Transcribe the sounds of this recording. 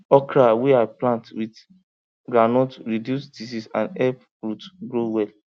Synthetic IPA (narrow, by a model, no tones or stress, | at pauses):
ɔkɾawɛaɪplãntwit | ɡɾanɔ̃tɹidjusdisisã̰nɛp | ɹutɡɹowɛl